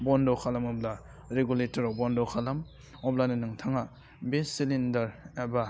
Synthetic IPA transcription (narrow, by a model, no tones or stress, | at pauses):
bɔndɔkʰalɐmɔbla | ɾeɡuletɔɾɔbɔndɔkʰalam | ɔblaninɯŋtʰaŋa | besilindɐɾeba